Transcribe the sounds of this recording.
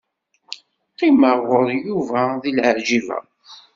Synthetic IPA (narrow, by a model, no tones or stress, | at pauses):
qiməʁɔɾˤjuvæðilʕʕʒivæ̰